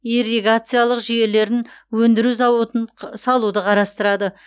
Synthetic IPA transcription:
ireɡat̪sɨjalˠəqʒije̞le̞ɾɪnwɵnd̪ɪɾuzɑwət̪ənsɑlˠud̪əqʰɑɾɑst̪əɾɑd̪ə

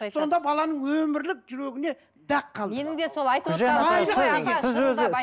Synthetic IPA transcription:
so̞nd̪ɑbɑlˠɑnəɴwɵmɪɾlɪk̚ʒʏɾe̞ɡʲɪne̞ | d̪æqʰːɑlˠd̪ənɪŋd̪esoɑjt̪ʒɑjd̪sɪzwɵzɪ

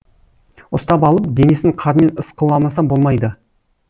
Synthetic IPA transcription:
ʊst̪ɑpɑlˠəp̚d̪e̞ne̞sɪŋqʰɑɾəme̞nəsqəlˠɑmɑsɑbo̞lˠmɑjd̪ə

